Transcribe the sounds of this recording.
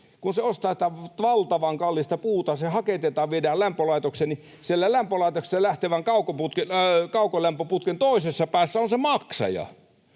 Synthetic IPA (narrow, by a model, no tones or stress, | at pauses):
kunseost̪ɑːsi̥t̪æʋɑlt̪ɑʋɑŋkɑlːist̪ɑpuːt̪ɑsehɑket̪et̪ɑːʋʋiedæːlæmpølɑˑit̪okseni | sielːælæmpølɑˑit̪okse̥sælæht̪eʋæŋkɑˑukoput̪kekɑˑukolæmpøput̪kent̪oˑisesːɑpæːsːæonsemɑksɑ̰jɑ̰